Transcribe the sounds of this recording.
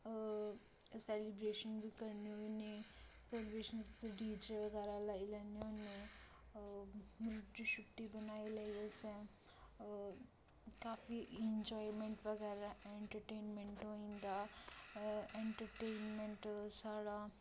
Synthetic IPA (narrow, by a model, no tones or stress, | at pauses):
seːlibɾeːʃənbikɐɾnijoniselbeːʃənsɖiːd͡ʒeʋɐɡɛːɾalailɐnijoni | mɾʊʈd͡ʒuʃukʈːibɐnaːilaiɐsɐ̃ | kaːfieɲd͡ʒɔːjmẽɳʈʋɐɡɛːɾaʔeɳʈəɾʈeːnmẽɳʈɦoĩːnd̪a | eɳʈəɾʈeːnmẽɳʈsaːɽa